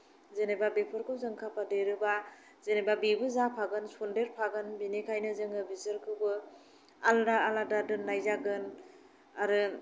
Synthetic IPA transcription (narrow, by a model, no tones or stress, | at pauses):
zenebabepʰɔɾkʰɯwzɯŋkʰapʰadɯɾɯba | zenebabibɯzapʰaɡɯnsondeɾpʰaɡɯnbinekʰajnɯzɯŋɯbizɯɾkʰɯbɯ | aldaaladadɯnːajzaɡɯn | aɾɯ